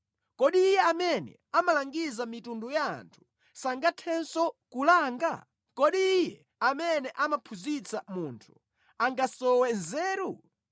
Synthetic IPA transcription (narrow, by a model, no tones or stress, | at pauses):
kɔɗiːjɛamɛnɛ̰amalaŋɡizamitunduja̰ːntʰu̥ | saŋɡatʰɛnsɔkulaːŋɡa̰ | kɔɗiːjɛ | amɛnɛʔamapʰuzit͡samuntʰu̥ | aŋɡasɔwɛnzɛːɾu